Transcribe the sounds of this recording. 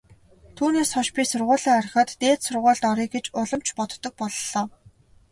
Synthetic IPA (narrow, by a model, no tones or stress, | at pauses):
t̪ʰuːneːsχɔʃpʲiːsʊrʁʊːɮiːŋar̆χə̆t̪ːeːt̪sʊrʁʊːɮt̪ɔɾiːkɡet͡ɕʊɮə̆mt͡ɕʰpɔt̪ːɞ̆k̚pɔɮɮɔː